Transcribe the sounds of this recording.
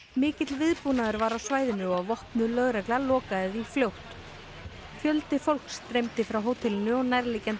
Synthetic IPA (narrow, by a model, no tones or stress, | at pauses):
mɪːcɪt̪lvɪðpunaðʏɾvaɾawsvaːjðɪnʏɔɣavɔhpnʏlœɣɾɛklalɔːkaðɪðifljowht̪ | fjœlt̪ɪfowl̥kst̪ɾejmt̪ɪfɾawɦoːwt̪ʰɛlɪnʏɔɣnajɾliːcɛn